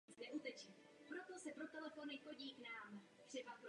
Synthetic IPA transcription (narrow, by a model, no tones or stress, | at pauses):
t͡sdɛʔut̪ɛt͡ʃiː | pɾo̞t̪o̞sɛpɾot̪ɛlɛfo̞nɪxo̞ɟiːknaːm | t̪r̝̥ɛbapɾ